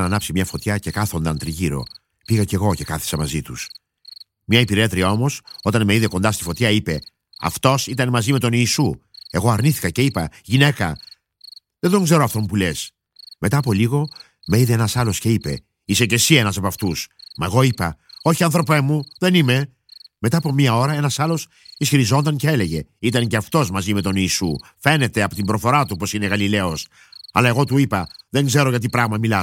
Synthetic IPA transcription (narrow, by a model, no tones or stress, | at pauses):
nɐnɐpsimɲɐfo̞t̪çɐce̞kɐθo̞nd̪ɐnt̪ɾiʝiɾo̞̰ | piɣɐce̞ɣo̞ce̞kɐθi̥sɐmɐzit̪us | mɲɐipiɾe̞t̪ɾiɐo̞mo̞so̞t̪ɐnmeiðe̞ko̞nd̪ɐst̪i̥fo̞t̪çɐipe̞ | ɐ̰ft̪o̞sit̪ɐnmɐzime̞t̪o̞niːsue̞ɣo̞ɐɾniθi̥kɐce̞ipɐʝine̞kɐ | ðed̪oŋɡze̞ɾoɐft̪o̞mupule̞s | me̞t̪ɐːpo̞liɣo̞ | meiðeenɐsɐlo̞sce̞ipe̞̰ | ise̞ce̞sie̞nɐsɐpɐft̪usmɐe̞ɣo̞ipɐ̰o̞çiɐnθɾo̞pe̞muðe̞nime̞ | me̞t̪ɐːpo̞miɐo̞ɾɐe̞nɐsɐlo̞s | isçiɾizo̞nd̪ɐɲce̞e̞le̞ʝe̞̰it̪ɐɲce̞ɐft̪o̞zmɐzime̞t̪o̞niːsṵfe̞ne̞t̪e̞ɐpo̞t̪imbɾo̞θo̞ɾɐt̪upo̞sine̞ɣɐlile̞o̞s | ɐ̰lɐe̞ɣo̞t̪uipɐðe̞ŋɡze̞ɾo̞ʝɐt̪̬ipɾɐɣmɐmilɐ